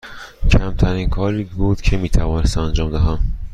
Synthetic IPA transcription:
cʰæmt̪ʰæɾiːnkʰɒːɾiːbuːd̪̥cʰemiːt̪ʰævɒːnest̪mænd͡ʒɒːmd̪æɦæm

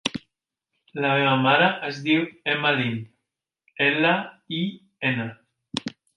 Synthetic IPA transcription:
lameβamaɾaʔezðiwemalin | elai | ena

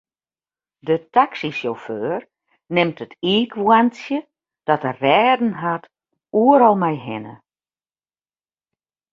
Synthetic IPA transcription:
dətaksisjoføːr | nɪmtətʰiːkʰʋwansjə | d̥ɔtərɛːdn̩ɦat | uəɾɔlˠmɛjɦɪnə̰

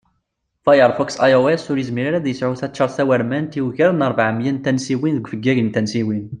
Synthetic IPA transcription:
fajəɾˤfɔksajəɾwesʊɾizmiɾaɾæðjəsʕuθæt͡ʃːɑɾˤθæwæɾmænt̪iwʝæɾˤnəɾˤvaʕəmjænt̪ænsiwinðəɡʷfəɡːæʝənt̪ænsiwin

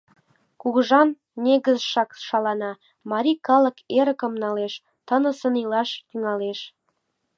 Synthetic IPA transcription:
kuɣʒɑnːʲ | eɣəzʃɑkʃɑlɑnɑ | mɑɾʲikɑlə̆keɾəkə̆mnɑleʃ | t̪ənə̆sə̆nilɑʃt̪yŋɑleʃ

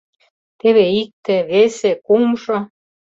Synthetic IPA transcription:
t̪eβeik̚t̪ĕβesekumʃŏ

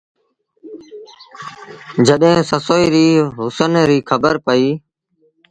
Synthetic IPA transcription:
d͡ʒəɗɦẽːsəsoːiːɾiːɦʊsənɾiːkʰəbəɾpəiː

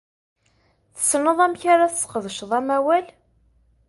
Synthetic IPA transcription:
θə̥snəðˤæmçaɾaθəsqəðˤəʃðˤæmæwæl

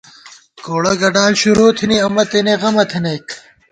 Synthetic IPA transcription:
koːɽɐɡɐɖaːlɕuɾoːt̪ʰiniɐmɐt̪ineɣɐmɐt̪ʰinejk

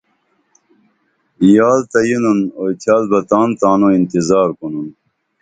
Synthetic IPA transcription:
jaːlt̪ɐjinunoːjt̪ʰjaːlbɐt̪aːnt̪aːnoint̪izaːɾkonun

